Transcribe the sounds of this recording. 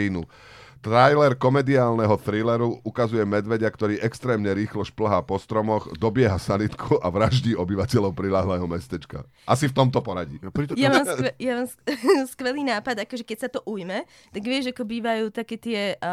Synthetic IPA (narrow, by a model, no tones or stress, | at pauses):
inu | t̪ɾajlɛɾkɔmɛd̪iaːlnɛɦɔθɾilɛɾuʔukazujɛmɛd̪ʋɛɟakt̪ɔɾiːʔɛkst̪ɾɛːmɲɛɾiːxlɔʃpl̩ɦaːpɔst̪ɾɔmɔɣd̪ɔbɪɛɦasanit̪kʰuʔaʋɾaʒɟiːɔbiʋacɛʎɔʊpɾilaːɦlɛːɦɔmɛst̪ɛt͡ʃka̰ | ʔasift̪ɔmt̪ɔpɔɾaɟiːjamaaːmɛjamaːmsskʋɛliːnaːpad̪akɔʒɛkɛcsat̪ɔʔujmɛ | t̪aɡʋɪɛʒakɔbiːʋajuːt̪akɛt̪ɪɛ